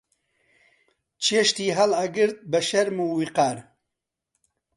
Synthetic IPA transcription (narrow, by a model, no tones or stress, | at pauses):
t͡ʃʰeːʃt̪iːɦɐlaɡɨɾt̪̚bɐʃɛɾmuːwiqaːɾ